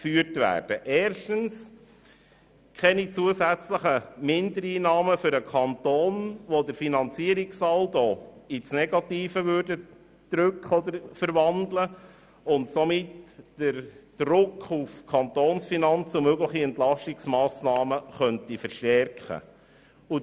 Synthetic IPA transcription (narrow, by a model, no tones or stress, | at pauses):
fyːəɾtʋæ̰ːrd̥əʔɛːrʃtəns | kχɛnit͡suəzæt͡sləχəmɪndəɾiːnɑːməfʏɾəkʰɑntoːnʋodəɾfinɑnt͡siəɾiksɑld̪ɔːit͡snɛɡ̥ɑtiːfəʋøɾdə | d̪̥ɾʉkχəɔd̪əɾfəɾʋɑndlə | ʊntsomɪtːəɾd̥rʊkʰufkʰɑnt̪oːnsfinɑnt͡səumøɡləχiɛntlɑʃtiksmɑːsnɑːməχœntifəɾʃtɛɾkʰχə̰ | u